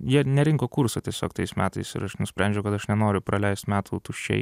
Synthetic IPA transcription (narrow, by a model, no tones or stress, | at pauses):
jiɛnʲɛɾʲɪŋkoːkuːɾsɐt̪ʲiɛsʲo̰ːkt̪ɐɪsmʲæːt̪ɐɪsɪ̰ɾɐʃnʊsʲpʲɾʲɛˑnʲd͡ʒʲɛʊkɐt̪ɐʃnʲɛnoːɾʲʊpɾɐlʲɛɪst̪mʲæːt̪ʰut̪uʃʲt͡ʃʲɛ̰ɪ